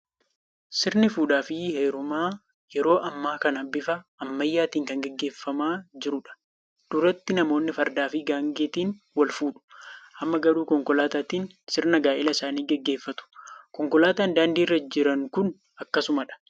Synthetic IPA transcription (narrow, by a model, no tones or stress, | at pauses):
sɪɾnɪfuːᶑaːfɪheːɾʊmaː | jɛɾo̞ːʔɐmːaːkɐnɐbɪfɐːmːɐjːaːt̪iːŋkɐŋɡɛɡːe̞ːfːɐmaːd͡ʒɪɾʊᶑɐ̥ | d̪̥ʊɾɐt̪ːɪnɐmo̞ːnːɪfɐɾd̪aːfɪɡaːŋɡeːt̪iːn | wɐlfuːᶑʊ̥ʔɐmːɐɡɐɾuːkɔŋkɔlaːt̪aːt̪iːn | sɪɾnɐɡaːʔɪlɐɪsaːniːɡɛɡːe̞ːfːɐt̪ʊ̥kɔŋkɔlaːt̪aːnd̪aːnd̪iːrːɐd͡ʒɪɾɐŋkʊn | ɐkːɐsʊmɐᶑɐ̥